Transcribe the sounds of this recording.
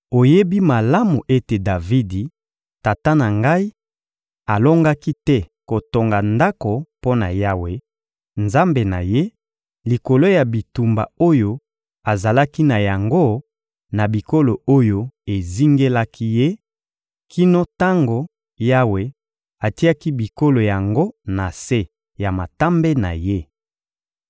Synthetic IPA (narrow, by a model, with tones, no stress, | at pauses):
o˨je˦bi˦ma˨la˦mu˨ʔe˦te˨da˨vi˦di˨ | ta˨ta˦na˨ŋɡa˦i˦ | a˨lo˦ŋɡa˦ki˦tɛ˦ko˨to˨ŋɡa˨nda˦ko˨po˦na̰˨ja˦we˨ | nza˦mbe˨na̰˨je˦ | li˨ko˨lo˦ja˨bi˨tu˨mba̰˨o˦jo˦ | a˨za˨la˦ki˦na˨ja˨ŋɡo˦ | na˨bi˨ko˦lo˨o˦jo˦e˨zi˦ŋɡe˦la˦kʰi˦je˦ | ki˦no˦ta˦ŋɡo˨ | ja˦we˨ | a˨ti˦a˦ki˦bi˨ko˦lo˨ja˨ŋɡo˦na˨se˦ | ja˨ma˨ta˦mbe˦na̰˨je˦